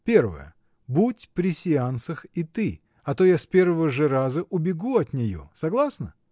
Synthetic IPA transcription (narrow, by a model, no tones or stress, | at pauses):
pʲe̞rvə̰jə̰ | butʲpɾʲɪsʲɪansəxit̪ɨ | ɐt̪o̞jaspʲe̞rvəvəʐɨɾazəʔʊbʲɪɡuɐt̪nʲɪjo̰sɐɡlˠasnə